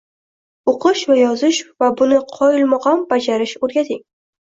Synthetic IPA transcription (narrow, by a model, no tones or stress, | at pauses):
oqʰɨʃvajɒzɪʃvabʊnɪqʰɒjɪlmɑqɑnbad͡ʒaɾɪʃoɾɡʲat̪ʰɪŋ